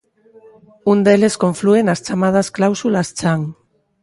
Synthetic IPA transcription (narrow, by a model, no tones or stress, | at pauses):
und̪eleskoɱfluenast͡ʃamað̞asklawsulast͡ʃaŋ